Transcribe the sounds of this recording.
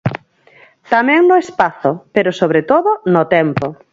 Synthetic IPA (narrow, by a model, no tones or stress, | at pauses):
t̪amɛ̃ŋnʊespaθʊpeɾʊsoβɾet̪oðʊnʊt̪ɛmpo